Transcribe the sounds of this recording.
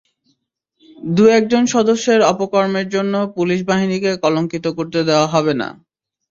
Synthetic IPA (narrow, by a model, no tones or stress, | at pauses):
d̪uɛk̚d͡ʑonʃɔd̪oʃːeɾɔpokɔɾmeɾd͡ʑonːopuliʃ̬baɦinikekɔloŋkit̪okoɾt̪ed̪eoaɦɔbena̰